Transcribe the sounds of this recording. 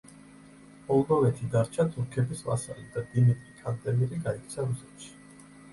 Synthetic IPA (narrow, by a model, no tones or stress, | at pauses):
mɔlˠd̪ɔvɛt̪ʰid̪aɾt͡ʃʰat̪ʰʼuɾkʰɛbisva̰sa̰lid̪ad̪imit̪ʼɾikʰand̪ʼɛmiɾiɡaik̚t̪sʰaɾusɛt̪ʃi̥